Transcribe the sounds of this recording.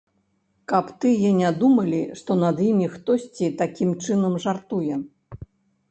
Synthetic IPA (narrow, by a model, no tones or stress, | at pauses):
kɐpt̪ɨjɛnʲad̪umɐlʲiʂt̪ɔnɐd̪jimʲixt̪ɔsʲt͡sʲit̪akʲimt͡ʂɨnɐmʐart̪ujɛ